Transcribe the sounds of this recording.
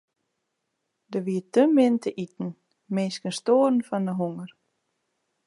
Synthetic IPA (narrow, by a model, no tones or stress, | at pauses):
d̪əʋiːtømɪnt̪əʔit̪n̩ | meːskənst̪oːɾn̩fanəɦuŋəɾ